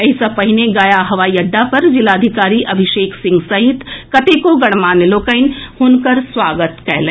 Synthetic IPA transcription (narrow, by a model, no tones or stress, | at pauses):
ɐɪsapɐɦɪneɡaːjaɦɐʋaːijɐɖːapɐɾd͡ʒɪlaːd̪ʱɪkaːɾiʔɐbʱɪʃeːksɪ̃ŋɡsɐɦɪt̪kɐt̪eːkoɡɐɽ̃maːneloːkəɪnhʊnkəɾswaːɡət̪kɛɦlẽː